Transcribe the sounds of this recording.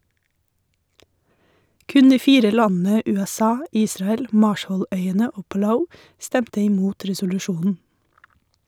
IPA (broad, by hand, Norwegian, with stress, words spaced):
ˈkʉn ˈdiː ˈfiːɾə ˈlɑnn̩ə ˌʉːɛˈsɑː ˈiːsɾɑɛl ˈmɑːʃəˌlœʏənə ˈoː pɑˈlaʊ ˈstɛmtə ɪˈmuːt ɾɛsʊlʉˈʃuːnn̩